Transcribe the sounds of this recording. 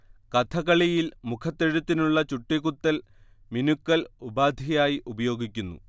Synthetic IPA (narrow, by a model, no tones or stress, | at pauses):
kɐt̪ʰɐkɐɭijilmukʰɐt̪ːeɻut̪ːinuɭːɐt͡ɕuʈːiɣut̪ːɐl | minukːɐlubaːd̪ʱijaːjiʔubɐjo̞ːɡikʲːunːṵ